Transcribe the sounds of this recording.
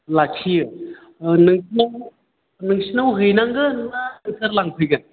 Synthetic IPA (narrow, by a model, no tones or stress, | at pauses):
lakʰiɯ | nɯŋsnaw | nɯŋsinawɦɯjnaŋɡɯnaŋtʰɐɾlaŋpʰɯjɡan